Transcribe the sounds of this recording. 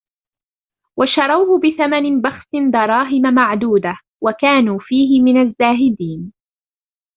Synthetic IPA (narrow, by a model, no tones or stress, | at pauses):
wʔaʃɑɾˤɑwhʊbɪθamanɪbɑxsɪnd̪ɑɾˤɑːɦɪmamaʕd̪uːd̪a | wakaːnuːfiːɦɪmɪnazːaːɦɪd̪iːn